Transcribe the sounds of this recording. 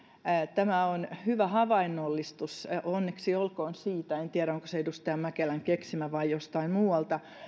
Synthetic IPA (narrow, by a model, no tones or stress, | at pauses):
t̪æmæonhyʋæhɑʋɑinːolːist̪usonːeksiolkoːnsiːt̪æent̪iæɾæoŋko̥seedust̪eɑmmækelæŋkeksimæʋɑijjost̪ɑimmuːɑlt̪ɑ